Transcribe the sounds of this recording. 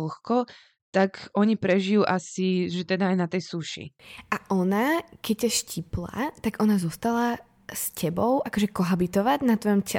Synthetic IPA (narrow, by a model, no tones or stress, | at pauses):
lxkɔ | t̪akɔɲipɾɛʒijuʔasiʒɛt̪ɛd̪aːjnat̪ɛjsuʃḭʔaʔɔnakɛc̚caʃcipla̰t̪aɡʔɔnazɔst̪ala | scɛbɔʊʔakɔʒɛkɔɦabit̪ɔʋaɟnat̪ʋɔjɔmcɛ